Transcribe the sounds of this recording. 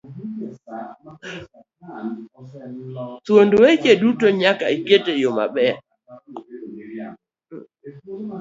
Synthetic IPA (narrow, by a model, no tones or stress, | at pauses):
twondowet͡ʃedutoɲakaiketejoma̰ɓɛa